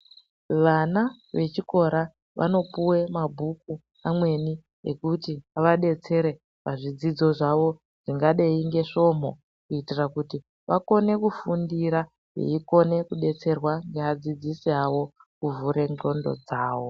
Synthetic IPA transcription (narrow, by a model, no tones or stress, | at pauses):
ʋana | ʋe̞t͡ʃiko̞ɾa | ʋʔa̰no̞puwe̞mabʱuk̚u | amwe̞ni | ḛkutiaʋaɗe̞t͡se̞ɾe̞ | paʐid͡zid͡zo̞ʐaʋo̞ | ʐ̥iŋɡaɗeiŋɡe̞ʂo̞mo̞ | kuitirakuti | ʋako̞ne̞kufundiɾa | jḛiko̞ne̞kuɗe̞t͡se̞rwaŋɡe̞ad͡zid͡ziseawo̞kuvuɾe̞ŋɡo̞ndo̞̰d͡zaːwo̞